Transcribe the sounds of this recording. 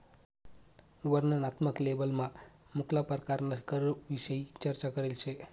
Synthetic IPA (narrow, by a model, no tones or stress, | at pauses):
ʋəɾnənat̪məklebəlmã | mʊkʰlapəɾkaɾnakəɾʋiʃəit͡ʃəɾt͡ʃakəɾelt͡ʃʰe